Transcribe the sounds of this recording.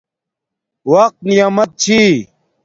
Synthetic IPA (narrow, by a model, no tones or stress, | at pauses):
wɐq̚t̪nijaːmɐt̪̚t͡ɕʰi